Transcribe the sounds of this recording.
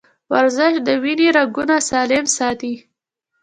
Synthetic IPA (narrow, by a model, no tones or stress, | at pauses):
waɾzɪʃd̪əwineɾaɡunasɑlɪmsɑt̪i